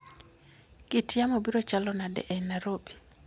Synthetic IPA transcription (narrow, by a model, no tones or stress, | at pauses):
kɪtjamobiɾot͡ʃalɔnadɛ̰ʔɛnaɾobi̥